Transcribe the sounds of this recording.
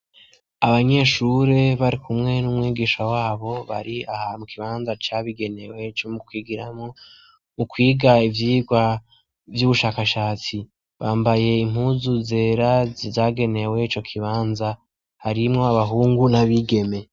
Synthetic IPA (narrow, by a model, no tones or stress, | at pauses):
aβaɲe̞ːʃuɾe̞βaɾikʰumŋe̞numŋiːɡiːʃawaːβo̞βa̰ɾiahamukʰiβaːnzat͡ʃaːβiɡe̞ne̞we̞t͡ʃomukwiːɡiɾamo | mukwiːɡaivjiːɡwa | vjuβuʃaːkaʃaːt͡si | βaːmbaje̞im̥huzuze̞ːɾazaːɡe̞ne̞we̞it͡ʃo̞kʰiβaːnza | haɾimŋo̞aβaɦuːŋɡunaβiɡe̞me̞